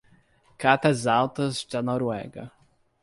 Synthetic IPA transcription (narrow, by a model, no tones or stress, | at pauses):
kat̪ɐzawt̪ɐzd̪ɐnɔɾwɛ̰ɡɐ̰